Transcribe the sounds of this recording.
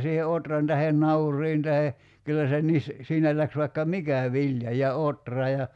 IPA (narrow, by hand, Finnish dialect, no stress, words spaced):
siːhe otrɑn tɑhen nɑurˑiːn tɑhe kylːæ se nis siːnæ læks ʋɑikːɑ mikæ ʋilʲjɑ jɑ otrɑ jɑ